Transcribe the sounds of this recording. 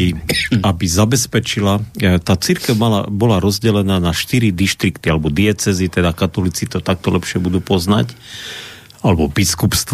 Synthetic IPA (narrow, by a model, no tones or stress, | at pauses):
iabizabɛspɛt͡ʃilat̪aːt͡siɾkɛʊmala̰bɔlaɾɔzɟɛlɛnaːnaʃt̪iɾid̪iʃt̪ɾikt̪ialɛbɔd̪iɛt͡sɛzit̪ɛd̪akat̪ɔlit͡sit̪ɔt̪ak̚t̪ɔlɛpʃɪɛbud̪uːpɔzna̰c | alɛbɔbiskupst̪